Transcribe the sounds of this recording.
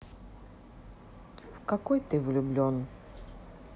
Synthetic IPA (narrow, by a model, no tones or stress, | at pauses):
fkakɔjt̪ɨvlʲʊblʲɔn